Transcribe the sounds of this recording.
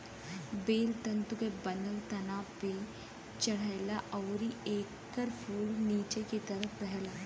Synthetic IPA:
beːlt̪ɐ̃nt̪ukebənəlt̪ɐnaːpe | t͡ʃɐɽ̤aɪlaʔɔːɾieːkː | əɾpʰuːlniːt͡ʃekit̪ɐɾəpɛɦla

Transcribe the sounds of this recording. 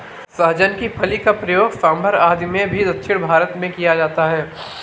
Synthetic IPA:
sɐɦd͡ʒənkipʰɐlikapɾɐjoːɡsaːmbəɾaːd̪imẽbʱid̪ɐt̪ːʃʰɪɽbʱaːɾət̪mẽkijad͡ʒaːt̪aɦɛː

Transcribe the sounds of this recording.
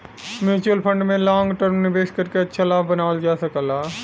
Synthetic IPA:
mẽt͡ʃəlpʰə̃ɳɖmẽlãːŋɡʈəɾmnɪʋeːʃkəɾkeɐtːʃʰalaːbbənaːld͡ʒaːsəkəlaː

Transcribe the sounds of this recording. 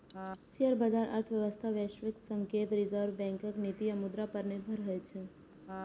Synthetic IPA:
sijəɾbad͡ʒaːɾʔɐ̰ɾt̪ʰʋjɐʋəst̪ʰaʋjeːʃʋɪksə̃ŋkeːt̪ɾɪzəɾʋbɛ̃ːŋkəknit̪iɐmʊd̪ɾapəɾnebʱɐɾɦɐet͡ʃʰe

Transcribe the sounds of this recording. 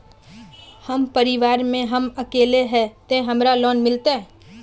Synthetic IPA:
həmpəɾɪʋaːɾmẽɦəməkeːleɦɛt̪ẽɦɐmɾalɔːnmɪlt̪eɛ

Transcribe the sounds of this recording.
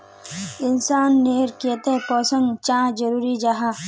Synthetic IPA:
ɪnsaːnːeːɾkiət̪ẽpɔːsə̃ŋɡt͡ʃãːd͡ʒəɾuːɾid͡ʒaɦaː

